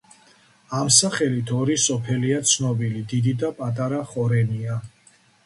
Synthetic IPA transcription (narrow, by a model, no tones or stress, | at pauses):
amsaχɛlit̪ʰɔɾisɔpʰɛliat̪sʰnɔbilid̪id̪id̪apʼat̪ʼaɾaχɔɾɛnia